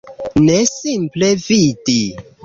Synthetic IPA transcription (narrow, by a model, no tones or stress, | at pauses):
nesimplevidi